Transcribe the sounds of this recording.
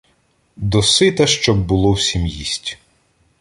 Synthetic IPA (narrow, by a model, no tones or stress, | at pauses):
d̪ɔsɪt̪ɐʃt͡ʃɔb̚ːʊlˠɔwsʲimjisʲtʲ